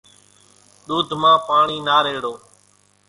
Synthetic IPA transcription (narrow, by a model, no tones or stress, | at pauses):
ɗ̪uːd̪ʱmãːpaːɳiːnaːɾeːɽoː